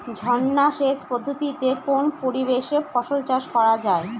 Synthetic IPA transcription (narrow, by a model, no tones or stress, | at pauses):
d͡ʑʱɔnːaʃeʃpod̪ʱːot̪it̪ekonpoɾibeʃefɔʃolt͡ɕaʃkɔɾad͡ʑae